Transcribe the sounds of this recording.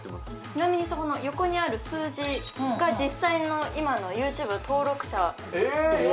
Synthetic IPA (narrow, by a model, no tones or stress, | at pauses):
t͡ɕinamʲiɲ̟isokono̞jo̞ko̞ɲ̟iaɾɯ̟sɨːʑiɡad͡ʑisːaino̞imano̞jɯːt͡ɕɨːbɯ̟t̪ʰo̞ːɾo̞kɯ̟̥ɕa